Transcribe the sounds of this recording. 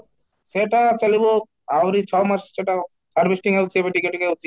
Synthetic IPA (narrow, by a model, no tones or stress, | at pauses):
seʈat͡ʃalibo | awɾit͡ʃʰɔmaɾsseʈa | aɾbʱisʈiŋaut͡ʃʰiebeʈikeʈkeut͡ʃʰi